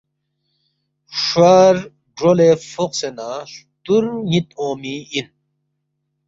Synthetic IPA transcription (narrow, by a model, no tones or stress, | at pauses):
ʂaːɾ | ɖɾolefoqsenaːʂ | t̪uɾnit̪oːmiin